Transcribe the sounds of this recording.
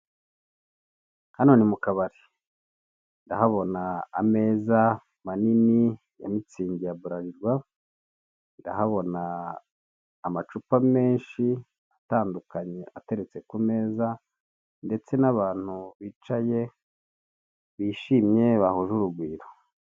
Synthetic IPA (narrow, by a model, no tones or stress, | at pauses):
hano̞ːnimukaβaɾi | ndahaβo̞naːme̞ːza | manini | ja̰mit͡siːɲɟijaβuɾaɾiɾɡwa | ndahaβo̞na | mat͡ʃupame̞ːnʃi | ataːndukaɲe̞ʔate̞ɾe̞t͡se̞kume̞ːza | nde̞t͡se̞naβaːn̥huβiːt͡ʃaje̞ | βiːʃimɲe̞βahuʒuɾuɡwiːɾo̥